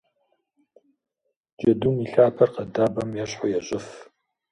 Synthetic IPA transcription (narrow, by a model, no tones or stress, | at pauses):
d͡ʒɐdumiɬaːpʰɐrqɐdaːbɐmjɛɕħʊjɛɕʼɪf